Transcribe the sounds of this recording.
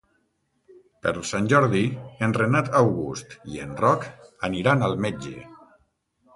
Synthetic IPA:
pəɾlˠsanʲʒɔɾðienrenat̪awɣust̪ienrɔkəniɾanalˠmed͡ʒḛ

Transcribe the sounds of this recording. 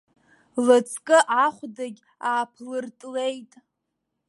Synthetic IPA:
lɨt͡sʰkʼɨʔaχʷdaɡʲ | aːpʰlɨrtʼle̞jtʼ

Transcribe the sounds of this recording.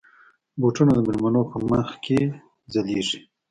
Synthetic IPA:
boʈunad̪əmɪlmanopəməxke | zaleʐi

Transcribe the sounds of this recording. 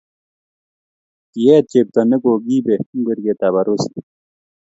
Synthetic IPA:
kijet͡ɕep̚t̪ɐnekoːɡiːbeŋɡeɾɡet̪aβɐɾosi̥

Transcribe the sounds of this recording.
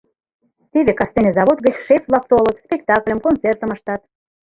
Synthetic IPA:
t̪eβekɑst̪enezɑβod̪̚ɣət͡ɕʃefvlˠɑk̚t̪olət̪spʲekt̪ɑklʲə̆mkont͡sert̪əməʃt̪ɑt̪

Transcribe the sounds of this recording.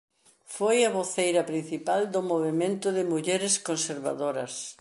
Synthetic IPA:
fojɐβoθejɾɐpɾin̟θipald̪ʊmoβemẽnt̪ʊðɪmuʎɛɾɪskonseɾβa̰ðoɾɐs

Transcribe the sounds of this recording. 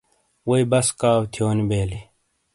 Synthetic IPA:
wɐibɐskaːwt̪ʰijoːnibeːli

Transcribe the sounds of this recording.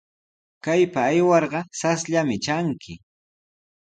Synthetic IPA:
kajpaːjwɑɾɢɑsasʎamɪt͡ʃaŋkʰɪ

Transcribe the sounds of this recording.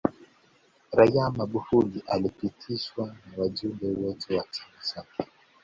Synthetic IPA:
ɾajamaɡufuliʔalipitʰiʃwanawaʄumbɛwɔtʰɛwat͡ʃḁmat͡ʃakʰɛ̥

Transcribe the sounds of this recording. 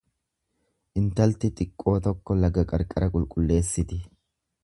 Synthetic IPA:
ʔɪnt̪ɐlt̪ɪt̪ʼɪkʼːo̞ːt̪ɔkːɔlɐɡɐkʼɐɾkʼɐɾɐkʼʊlkʼʊlːe̞ːsːɪt̪ɪ

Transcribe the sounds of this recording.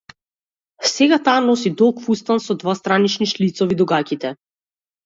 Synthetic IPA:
sɛɡat̪aːnɔs̬id̪ɔlˠkfust̪ansɔd̪vast̪ɾanit͡ʃniʃlit̪sɔvid̪uɡakit̪ɛ

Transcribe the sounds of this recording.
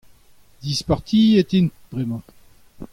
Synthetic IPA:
d̪ispaʁt̪ʰiet̪int̪̚b̥ʁɛmɑ̃

